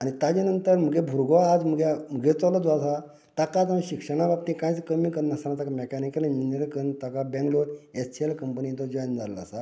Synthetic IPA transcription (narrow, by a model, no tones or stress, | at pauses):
añit̪ad͡ʑinənt̪əɾm̤əɡebʱuɾɡɔaːd͡zm̤əɡem̤əɡet͡sɔlɔd̪ʋasa | t̪akat̪ãɕikʂəɽ̃abap̚t̪ĩkãjt͡skəmikəɾnːəsanat̪akamɛkɛnikələnineɾkəɾnt̪akabɛ̃ŋɡloɾesʈʰielkəmpənit̪ɔd͡ʑɔjnd͡zalla̰sa